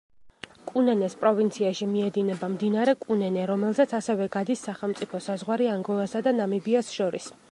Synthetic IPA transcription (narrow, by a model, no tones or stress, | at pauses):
kʼunɛnɛspʼɾɔvint̪sʰiaʃimiɛd̪inɛbamd̪inaɾɛkʼunɛnɛɾɔmɛlˠzɛt̪sʰasɛvɛɡad̪isːaχɛlˠmt̪sʼipʰɔsazʁwaɾiaŋɡɔlˠasad̪anamibiasʃɔɾḭs